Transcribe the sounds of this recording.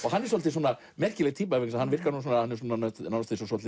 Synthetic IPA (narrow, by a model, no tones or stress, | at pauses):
ɔɣɦanːɛɾsɔlt̪ɪs̬wɔna | mɛr̥cɪlɛɣt̪ʰiːpavɪksahanːvɪr̥kaɾnuːs̬ɔnahanːɛɾs̬uɔnːanœt̪nawnast̪ɪs̬ɔsɔl